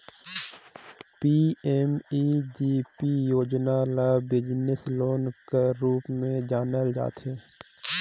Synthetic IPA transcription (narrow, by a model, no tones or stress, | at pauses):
piːemiːd͡ʒiːpijoːd͡ʒnalaːbɪd͡ʒnɪsloːnkeɾuːpmẽd͡ʒaːnəld͡ʒa̰ːt̪eː